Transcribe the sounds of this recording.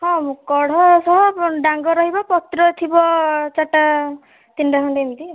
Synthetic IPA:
hɔ̃mukɔɽ̤ɔsɔɦɔɖaŋɡɔɾɔɦibɔpɔt̪ɾɔt̪ʰibɔt͡ʃaʈa | t̪inɖaɦɔɳɖemt̪i

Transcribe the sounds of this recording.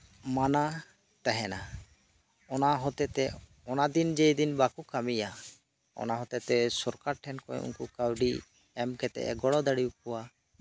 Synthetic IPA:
mana | t̪ɛɦɛna | ɔnaɦɔt̪ɛt̪ɛ | ɔnad̪ind͡ʒɛjd̪inbakukamija | ɔ̰naɦɔt̪ɛt̪ɛsɔɾkaɾʈʰɛnkɔɛ̰ṵnkukawɖi | ɛmkɛt̪ɛ̰ʔɛ̰ɡɔɽɔd̪aɽiukɔwa

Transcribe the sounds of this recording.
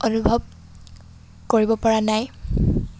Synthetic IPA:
onubʱɔb̚ | koɹibɔpaɹanaj

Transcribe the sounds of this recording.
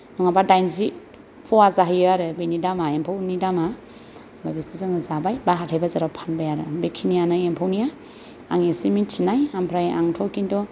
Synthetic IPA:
nɔŋabadajnzi | pʰɔazaɦijaɾɯbenidamaempʰawnidama | babikʰɯzɯŋɯzabajbaɦatʰajbazaɾapʰanbajaɾɯbekʰinijanaempʰawnija | a̰ŋesimitʰinajampʰɾaja̰ŋtʰɔkindɔ

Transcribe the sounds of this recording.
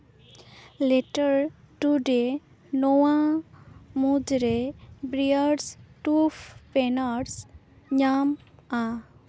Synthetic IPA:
leʈəɾ | ʈuɖe | nowa | mud̪ɾebɾiəɖsʈufpenaɾs | ɲama

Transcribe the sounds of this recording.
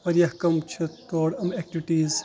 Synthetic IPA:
ɐɾjɐɦkɐmt͡ʃʰut̪oːɽɐmɛk̚ʈiʋiʈiːz

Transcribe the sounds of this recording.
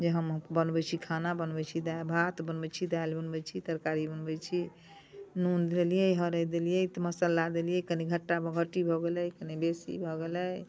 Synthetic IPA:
d͡ʒeɦəmbənbɛt͡ʃʰikʰanabənbɛt͡ʃʰid̪abʱat̪bənbɛt͡ʃʰid̪ajlbənbɛt͡ʃʰit̪əɾkaɾibənbɛt͡ʃʰi | nund̪elijɛjɦəɾəjd̪elijɛit̪ɔməsəlːad̪elijɛkəniɡʱəʈːabəɡʱəʈːibʱɔɡelɛjkənibesḭbʱɔɡelɛj

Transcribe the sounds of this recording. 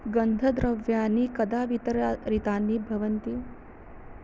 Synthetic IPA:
ɡɐnd̪ʱɐd̪ɾɐʋjaːnikɐd̪aːʋit̪ɐɾaɾit̪aːnːibʱɐʋɐnt̪i

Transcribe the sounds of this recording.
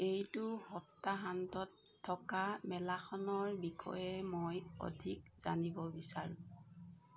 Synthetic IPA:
ejtʊhɔtːaɦantɔtʰːɔkamɛlaxɔnɔɹbixɔ̰jɛmojɔ̰dʱikz̥a̰nibɔbisaɹũ

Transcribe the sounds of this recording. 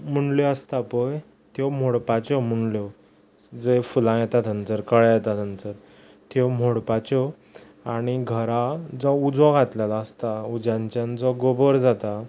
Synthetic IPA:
m̤əɳljɔəst̪apəj | t̪jɔm̤oɽpat͡ɕɔm̤əɳljɔ | d͡zəfulãjɛt̪at̪ʰənt͡səɾkəɭjɛt̪at̪ənt͡səɾ | t̪jɔm̤oɽpat͡ɕɔ | aɽ̃iɡʱəɾad͡zɔud͡zɔ̃ɡʱat̪ljalaəst̪aud͡ʑjãɲt͡ɕãnd͡zɔɡobəɾd͡zat̪a

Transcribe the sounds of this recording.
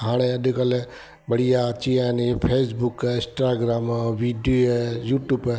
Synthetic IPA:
ɦãːɽ̃eɐd̪ikəle | bɐɽijat͡ʃijanipʰeːsbukɪ̃sʈaːɡɾaːmʋiɖiejuːʈub

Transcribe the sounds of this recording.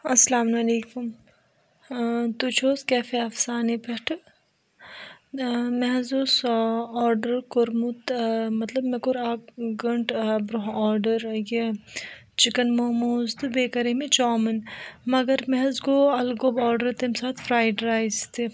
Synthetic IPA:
ɐsɐlaːmnɐleːkum | t̪ut͡ʃʰoːskɛːfeɐfsaːnepɐʈʰ | mɛɦzoːsɔːɾɖəɾkoɾmut̪mɐt̪lɐbmekoɾaːkɡɐɳʈbɾoɦɔːɾɖəɾje | t͡ʃɪkənmoːmoːzt̪ɨbeːkɐɾemẽt͡ʃɔːmɐnmɐɡəɾmɛɦzɡoːɐlɡobɔːɾɖəɾt̪emsaːt̪fɾaːjɖɾaːjzt̪e

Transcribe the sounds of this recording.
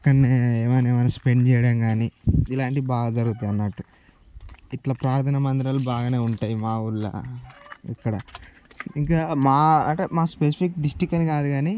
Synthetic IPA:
ɐkːɐɳːeeːmɐneːɐnɐspeɳɖt͡ʃɛːjɐɽaːŋɡaːniilaːɳʈiibaːɡad͡ʒɐɾuɡut̪ɐɐnːɐʈu | iʈlɐpɾaːɾt̪ʰɐnɐmɐnd̪iɾɐlubaːɡaːneːuɳʈaːjimaːuɭːɐ̰ | ḭkːɐɽɐ | iŋkaːmaːɐʈemaːspes̬ipikɖisʈɾikːɐnikaːd̪uɡaːni

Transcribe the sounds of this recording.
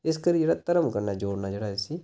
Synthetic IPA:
ɪskəɾiːd͡ʒeːɽaːt̪əɾəmkəɾnaːd͡ʒoːɽnaːd͡ʒeːɽaːsiː

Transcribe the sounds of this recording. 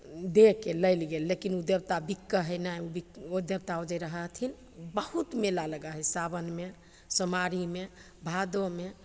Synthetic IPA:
d̪ekeləjlɡelːekinud̪ebt̪abikːəɦəjnajubiod̪ebt̪aod͡ʒəɾəɦət̪ʰin | bəhut̪melaləɡəɦəsabənme | səmaɾime | bʱad̪ome

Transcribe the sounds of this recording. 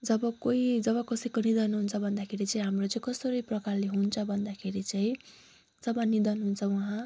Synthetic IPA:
d͡zʌbʌkoid͡zʌβʌkʌsʌjkonid̪ʌnɦunt͡sʰʌbʱʌnd̪akʰeɾit͡sʌĩɦamrot͡sʌĩkʌsʌɾʌjprʌkarleɦunt͡sʰʌbʱʌnd̪akʰeɾit͡sʌĩ | d͡zʌbʌnid̪ʌnɦunt͡sʰʌwʌɦã

